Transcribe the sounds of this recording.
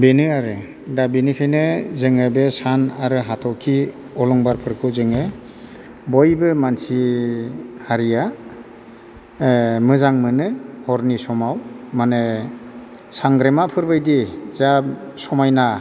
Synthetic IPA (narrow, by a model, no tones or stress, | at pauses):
benɯaɾɯ | dabenɯkʰajnɯzɯŋɯbesanaɾɯɦatʰɔkʰi | ɔlɔŋbaɾpʰɯɾkʰɯzɯŋɯ | bojbɯmansi | haɾija | mɯzaŋmɯnɯhɔɾnisɔmawmane | saŋɡɾemapʰɯɾbajdizasɔmajna